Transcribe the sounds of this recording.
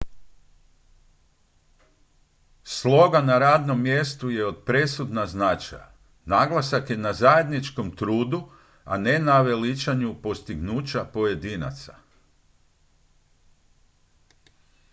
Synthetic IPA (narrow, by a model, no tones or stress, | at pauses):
slˠo̞ɡanaɾaːd̪no̞mːje̞st̪uje̞o̞d̪̚pɾe̞sud̪naznat͡ʃa̰j | naɡlˠasakje̞nazaje̞d̪nit͡ʃko̞mt̪ɾuːd̪u | a̰ne̞naʋe̞lit͡ʃaɲupo̞st̪iɡnuːt͡ʃapoje̞d̪ina̰t̪sa̰